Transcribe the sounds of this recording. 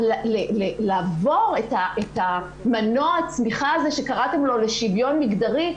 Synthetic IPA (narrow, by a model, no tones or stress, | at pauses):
lalelelaːvo̞ʁetaʔet̪a | mano̞at͡smiχaazeʃekaʁatemlo̞leʃivjo̞nmiɡdaʁi